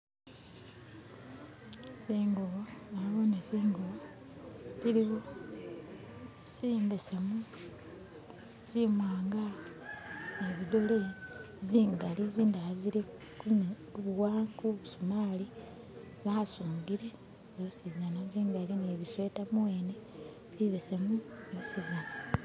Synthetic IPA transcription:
siːŋɡuβoaβonesiːŋɡuβo | ziɾiwo | siːmbesemu | zimwaːŋɡa | neβidole | ziːŋɡaliziːndalaziɾi | kun | βuwaːŋkuβusumaːli | βasuːŋɡiɾe | zosizanaziːŋɡalineβisweːtamuwe̞ːne | ziβese̞muosizana

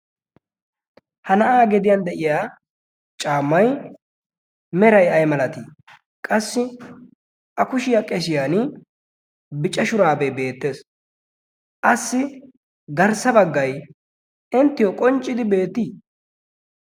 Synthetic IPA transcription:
hɐnɐʔaːɡɛd̪ɪjand̪ɛʔɪjaː | t͡ʃʼaːmːɐj | mɛɾɐjɐjmɐlɐt̪i | kʼɐsːɪ | ʔɐkʊʃɪjakʼɛs̬ɪjaːn | bɪt͡ʃʼːɐʃʊɾaːbebe̞ːt̪ːe̞ːs | ʔɐsːɪ | ɡɐɾsɐbɐɡːɐj | ɪnt̪ːɪjɔkʼɔnt͡ʃʼːɪd̪ɪbe̞ːt̪ːiː

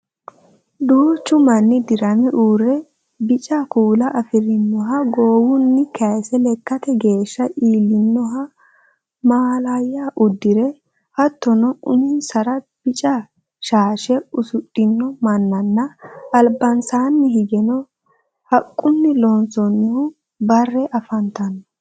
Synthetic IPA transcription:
d̪uːt͡ʃːʊmɐnːɪd̪ɪɾɐnɛʔuːɾɛ | bɪt͡ʃʼɐkuːlɐʔɐfɪɾɪnːɔɦɐɡoːwʊnːɪkɐjsɛlɛkːɐt̪ɛɡe̞ːʃːɐʔiːlːɪnːɔɦɐ | maːlajːaːʔʊd̪ːɪɾɛ | hɐt̪ːɔnɔʊnɪnsɐɾɐ | b̥ɪt͡ʃʼɐ | ʃaːʃɛʊsʊtʼːɪnːɔmɐnːɐnːɐɐlbɐnsaːnːɪhɪɡɛnɔ | hɐkʼːʊnːɪloːnsɔnːɪhʊ | bɐrːɛʔɐfɐnt̪ɐnːɔ

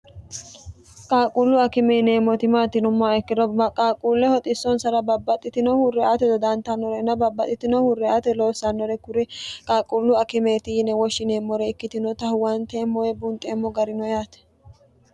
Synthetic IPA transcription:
kʼaːkʼulːʊɐkɪmɛne̞ːmːɔt̪ɪmaːt̪ɪnʊmːɔɛkːɪd̪ɔɐkʼaːkʼuːlːɛhɔt̪ʼɪsːɔnsɐɾɐbɐbːɐt̪ʼːɪt̪ɪnɔhʊrːɛat̪ɛd̪ɔd̪ɐnt̪ːɐnːɔɾɛnːɐbɐbːɐt̪ʼːɪt̪ɪnɔhʊrːɛaːt̪ɛlo̞ːsːɐnːɔɾɛkʊɾɪkʼaːkʼulːʊɐkɪmeːt̪ɪjɪnɛwɔʃːɪneːmːɔɾɛɪkːɪt̪ɪnɔt̪ɐhʊwɐnt̪eːmːɔjɛbʊnt̪ʼeːmːɔɡɐɾɪnɔjaːt̪ɛ̥

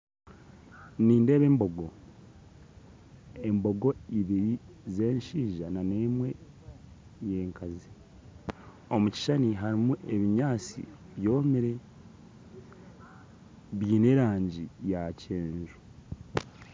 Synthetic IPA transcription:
niːnde̞ːβe̞ːmbo̞ɡo̞ | e̞mbo̞ɡo̞iβiɾi | ze̞ːɲʃiːʒanane̞mwe̞ | je̞ːŋkʰazi | o̞muci̥ʃaniɦaɾimuʔe̞βiɲaːt͡sḭ | βjo̞ːmiɾe̞ | βiːne̞ːɾaːɲɟijace̞ːɲʒu

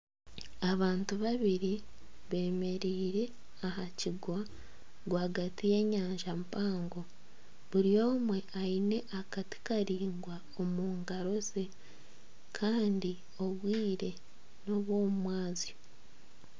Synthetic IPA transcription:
aβaːntuβaβiɾi | βe̞ːme̞ɾiːɾe̞ | aɦaciɡwa | ɡwaːɡatije̞ːɲaːɲʒampaːŋɡo̞ | βuɾijo̞ːmwe̞aine̞ʔakati̥kaɾiːŋɡwa | omuːŋɡaɾo̞ze̞ | kʰaːndi | o̞βwiːɾe̞ | no̞βwo̞ːmumwaːzi

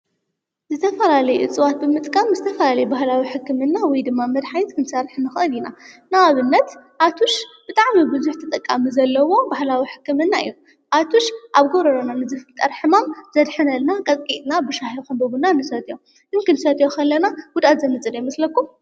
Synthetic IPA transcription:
zɨt̪ʰɐfɐlalɐjʔɨ̰t͡sʼɨwat̪̚bɨmɨt̪ʼkʼamzɨt̪ʰɐfɐlalɐjbahlawiħɨkːɨmɨnːawɔjd̪ɨmːamɐd̪ħajt̪kʰɨnsɐrħnɨxɨʔɨlinanawaβɨnːɐt̪ʔat̪ʰuʃb̥ɨt̪ʼaʕmibɨzuħt̪ʰɐt̪ʼɐkʼːamizɐlːɐwo̞bahlawiħɨ̥kːɨmɨnːaɨ̰jːu | ʔat̪ʰuʃʔaβɡoɾɐɾonanɨzɨft̪ʼːɐɾħɨmamz̥ɐd̪ħɨnɐlnakʼɐt̪ʼkʼit̪ʼnabɨʃahikɨmbɐɡunanɨsɐt̪ʼjo | ʔɨnkɨnsɐt̪ʼjokʰɐlːɐnaɡ̥ʊd̪ʔat̪zɐmɨt͡sʼɨdemɐslɐkːum

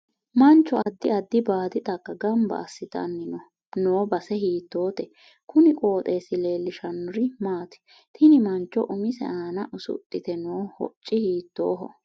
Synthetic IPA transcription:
mɐnt͡ʃːɔɐd̪ːɪɐd̪ːɪbaːd̪ɪt̪ʼɐkːɐɡɐmbɐ̰ːsːɪt̪ɐ̰nːɪnɔ | noːbɐsɛɦiːt̪ːo̞ːt̪ɛ | kʊnɪkʼoːt̪ʼe̞ːsɪle̞ːlːɪʃɐnʊɾɪmaːt̪ɪ̥ | t̪ʰɪnɪmɐnt͡ʃːɔʔʊmɪsɛ̰ʔaːnɐʔʊsʊ̰t̪ʼːɪt̪ɛnoːhɔ̰t͡ʃʼːɪhiːt̪ːo̰ːɦɔ̰

